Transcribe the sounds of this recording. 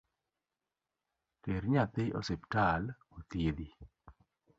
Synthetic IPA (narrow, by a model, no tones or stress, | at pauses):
teɾɲat̪ɪo̰septal | ot̪jed̪i